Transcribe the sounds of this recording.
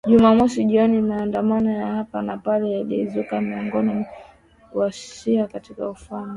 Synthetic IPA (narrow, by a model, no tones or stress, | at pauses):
ʄumamɔsiʄiɔnimaːndamanɔjahapanapalɛjalḭzukamiɔŋɡɔni | wassiakatikaufaŋu